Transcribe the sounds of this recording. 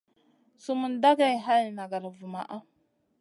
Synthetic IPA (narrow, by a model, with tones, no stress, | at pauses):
su˦mu˨nda˦ɡa˦˨jɦa˦lna˨ɡa˨ɾa˨vu˨ma̰˨ʔa˦